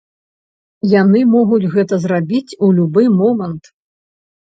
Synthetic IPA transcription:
janɨmɔɣud͡zʲɣɛt̪ɐzrabʲit͡sʲulʲubɨmɔmɐnt̪

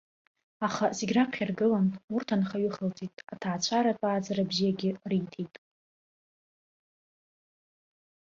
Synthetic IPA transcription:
aχazeɡʲraqʰʲarɡɨlanurtʰanχaɥɪχəltʼitʼatʰaːt͡ɕʷʰaɾatʷʼaːd͡zaɾabzijaɡʲɪrijtʰejtʼ

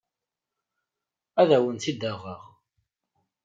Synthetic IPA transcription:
æðæwənθid̪ːæʁːəʁ

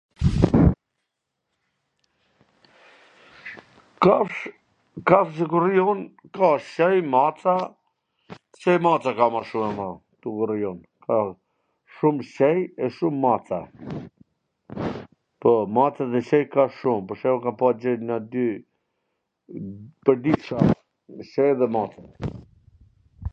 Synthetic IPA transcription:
k | kafs̬ɛkuɾijɔn | kaɕɛjmat͡sa | ɕɛjmat͡sakamaʃumɛmat̪ukuɾijɔn | kʰa | ʃumʃɛjɛʃumːat͡sa | pɔmat͡saðɛɕɛjkaʃumpɔɾʃɛjɔkanpad͡ʑɛnad̪y | pəɾd̪iʃa | ʃɛjðɛmat͡s̪a

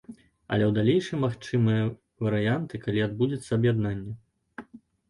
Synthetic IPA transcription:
ɐ̰lʲɛwd̪alʲejʂɨmaxt͡ʂɨmɨjɐ | vɐɾɨjant̪ɨkalʲiad̪̚bud͡zʲɐt̪sːɐɐbjad̪nanʲːɛ

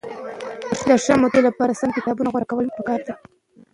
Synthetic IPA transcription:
d̪əʂəmod̪elapɑɾasankɪt̪ɑbunaɣwaɾakawəlpəkɑɾd̪a

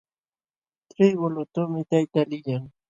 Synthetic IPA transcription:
t̪ɾɪbʊlʊt̪ʊmɪt̪ajt̪alɪjaŋ

